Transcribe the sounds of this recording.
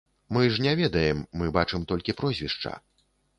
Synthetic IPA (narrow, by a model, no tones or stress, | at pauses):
mɨʐnʲɛvʲɛd̪ɐjɛmːɨbat͡ʂɨmt̪ɔlʲkʲipɾɔzʲvʲiʂt͡ʂɐ̰